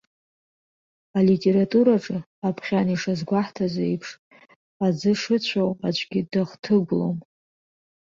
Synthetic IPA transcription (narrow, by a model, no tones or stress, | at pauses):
alitʼe̞ɾatʼuɾaʈ͡ʂʼɨ | apʰχʲaniʂazɡʷaħtʰazaejpʰʂ | ad͡zɨʂɨt͡ɕʷʰawat͡ʃʷʰʼɡʲidaχtʰɨɡʷlo̰m